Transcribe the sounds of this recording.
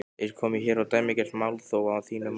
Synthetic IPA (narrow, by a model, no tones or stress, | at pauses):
ɛɾ̥kʰɔːmɪçɛːɾawt̪ajmɪcɛl̥mawlθoːwaaθiːnʏm